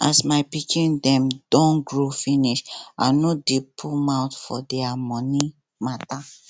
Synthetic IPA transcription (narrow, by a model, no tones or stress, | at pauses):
asmaɪpikʰĩndɛ̃md̥ɔ̃nɡɹofiniʃa̰nodepʰumãwtfɔdɛamɔ̃ni | mata